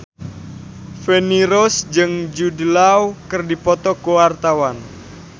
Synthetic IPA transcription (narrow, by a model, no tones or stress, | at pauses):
feniɾɔsd͡ʒɨŋd͡ʒudəlawkɨrdipɔt̪ɔkowart̪awan